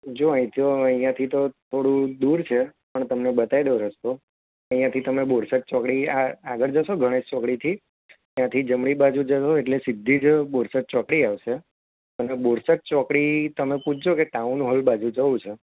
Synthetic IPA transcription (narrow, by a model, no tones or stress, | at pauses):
d͡ʒoãĩt̪oəijãt̪ʰit̪ot̪ʰoɽũd̪uɾt͡ʃʰepəɳt̪əmnebət̪aid̪oɾəst̪o | əĩjãt̪ʰit̪əmeboɾsət̪̚t͡ʃɔkɽiaaɡəɾd͡ʒəʃoɡʱəɽ̃ed͡ʒt͡ʃɔkɽit̪ʰi | t̪jãt̪ʰid͡ʒəmɽibad͡ʒũd͡ʒəʃoeʈlesɪd̪ʱːid͡ʒboɾsət̪̚t͡ʃɔkɽiaʋʃe | əneboɾsət̪̚t͡ʃɔkɽit̪əmeput͡ʃʰd͡ʒokeʈaunɦolbad͡ʒũd͡ʒəũt͡ʃʰe